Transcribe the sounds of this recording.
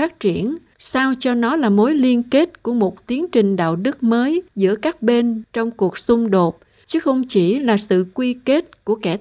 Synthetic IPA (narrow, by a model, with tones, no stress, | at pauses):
aː˦˥t̚t͡ɕi˧˩ən | saː˧wt͡ɕɔ˧nɔ˨˦laː˨˩mo˨˦jli˧ənke˦˥t̚ku˧˩əmo˨˩t̚t̪i˨˦əŋt͡ɕï˨˩ŋ̟ɗa̰ː˧˨wɗɨ˦˥k̚məː˨˦jzɨ̰˧˥əkaː˦˥k̚ɓe˧nt͡ɕɔ˧wŋ͡mku˨˩ək̚sʊ˧ŋ͡mɗo˨˩t̚ | t͡ɕɨ˨˦xə˧wŋ͡mt͡ɕi˧˩laː˨˩sɨ̰˧˨kwi˧ke˦˥t̚ku˧˩əkɛ˧˩